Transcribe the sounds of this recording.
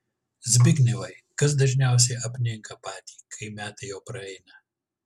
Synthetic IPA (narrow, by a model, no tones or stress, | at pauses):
zʲbʲɪɡʲnʲɛʋɐɪ | kɐs̬d̪ɐʒʲnʲæˑʊs̬ʲɛɪɐpʲnʲɪŋkɐpɑːt̪ʲiːkʰɐɪmʲæːt̪ɐjɛʊpɾɐɛɪnɐ